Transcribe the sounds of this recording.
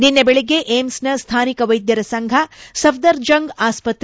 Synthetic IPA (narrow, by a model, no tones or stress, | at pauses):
ninːɐbeɭeɡeʔeːmsnɐst̪ʰaːnikɐʋɐjd̪jɐɾɐsɐŋɡʱɐsɐfd̪ɐɾd͡ʒɐŋɡaːspɐt̪ɾ